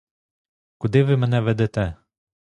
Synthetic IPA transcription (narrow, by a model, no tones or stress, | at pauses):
kud̪ivimɛnɛvɛd̪ɛt̪ɛ